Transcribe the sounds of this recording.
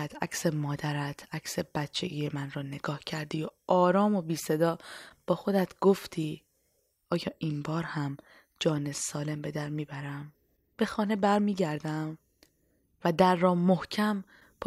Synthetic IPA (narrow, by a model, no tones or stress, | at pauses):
t̪ʰæcsemɒːd̪æɾæt̪ʰæcse̞b̥æt̪t͡ʃʰḛɡijemænɾɒːne̞ɡɒːhcʰæɾd̪ijoʔɒːɾɒːmo̞biːse̞d̪ɒːb̥ɒːxo̞d̪æt̪ʰɡ̥oft̪ʰiː | ɒːjɒːʔinbɒːɾhæm | d͡ʒɒːne̞sɒːle̞mbe̞d̪æɾmiːbæɾæm | b̥e̞xɒːne̞bæɾmiːɟæɾd̪æm | væd̪æɾːɒːmohcʰæm | pʰ